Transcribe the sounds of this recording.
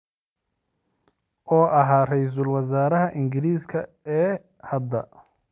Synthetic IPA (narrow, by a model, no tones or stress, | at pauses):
ʔɔːʔɐɦaːrɛjs̬ʊlwɐs̬aːɾɐɦɐʔɪŋɡɪɾiːskʰɐ | ɛː | hɐd̪ːɐ